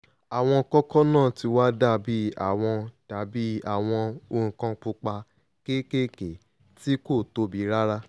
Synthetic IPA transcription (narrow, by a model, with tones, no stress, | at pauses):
a˨w̃ɔ̃˧kɔ˦kɔ˦nãː˦˨ti˧wa˦da˦˨bi˦a̰˦˨w̃ɔ̃˧ta˨˦bi˦a˨w̃ɔ̃˧õ˧kã˧k͡pu˧k͡pa˧ | ke˦ke˦ke˨ | ti˦ko˦˨to˧˦bi˨˦ɾa˦ɾa˦